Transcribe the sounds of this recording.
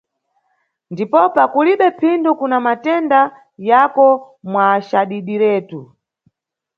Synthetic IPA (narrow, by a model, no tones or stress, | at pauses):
ndipɔpakuliɓɛpʰindɔkunamatɛnda | jakɔ | mwaʃaɗiɗiɾɛːtu